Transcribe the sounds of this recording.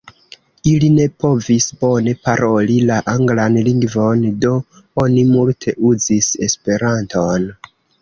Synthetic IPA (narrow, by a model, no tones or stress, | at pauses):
iline̞po̞visbo̞ne̞paɾʔo̞lilaʔaŋɡlanliŋɡvo̞ndo̞ | o̞nimultʰe̞ʔuzise̞spe̞ɾantʰo̞n